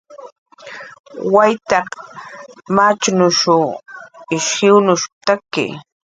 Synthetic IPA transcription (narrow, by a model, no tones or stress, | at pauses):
wajt̪ɑq | mat͡ʃʊnʊʃʊ | ɪʃhɪwnʊʃt̪akɪ̰